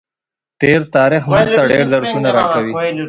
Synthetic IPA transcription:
ʈeɾt̪ɑːɾɪxmat̪aɖeɾd̪aɾt̪unaɾɑkawi

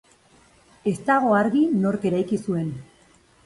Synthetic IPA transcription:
e̞st̪aɣ̞o̞aɾɣino̞ɾke̞ɾajkisue̞n

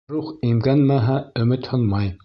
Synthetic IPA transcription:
ɾuχimɡænmæɦæɵ̆mɘt̪hɤnmɑj

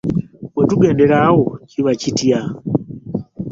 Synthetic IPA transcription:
wetuɡeːndeɾawociβacitia

